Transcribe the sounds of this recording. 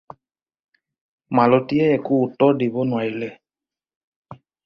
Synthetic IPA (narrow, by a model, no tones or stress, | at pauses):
malɔtiɛɛkuːtɔdibɔnwailɛ